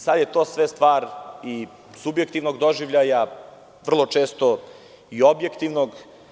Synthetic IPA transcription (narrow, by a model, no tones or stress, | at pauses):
sad̪je̞t̪o̞ːsʋe̞st̪ʋaːɾi | subje̞kt̪iʋnoɡd̪oʒiʋʎaja | ʋr̩lˠo̞t͡ʂeːst̪o | io̞bjekt̪iʋnoɡ